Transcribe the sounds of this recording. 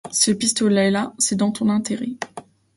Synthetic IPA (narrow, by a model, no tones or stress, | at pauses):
səpist̪ɔlaɛlasɛd̪ɑ̃t̪ɔ̃nɛ̃t̪eʁɛ